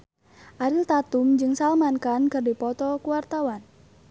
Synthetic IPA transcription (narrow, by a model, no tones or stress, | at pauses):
ʔaɾilt̪at̪umd͡ʒɨŋsalmankankɨrdipɔt̪ɔkuwart̪awan